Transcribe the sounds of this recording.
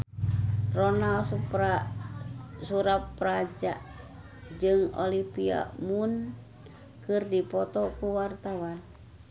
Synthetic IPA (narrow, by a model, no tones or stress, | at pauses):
ronalsupa | suɾat̪̚pɾad͡ʒa̰ʔ | d͡ʒɨŋo̰lipia̰mun | kɨrdipɔt̪ɔkuwart̪awan